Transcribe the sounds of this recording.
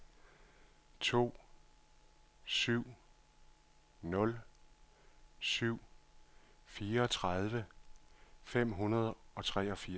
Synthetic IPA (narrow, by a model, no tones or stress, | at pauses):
t͡sʰo̝̰ː | syʊ̰ | nɔ̽l | syʊ̰ | fiːɐɒ̽t͡sʰʁɑðˠʋə | fem̰ɦunɐð̞ˠɒ̽t͡sʰʁɛ̰ːɒ̽fiɐ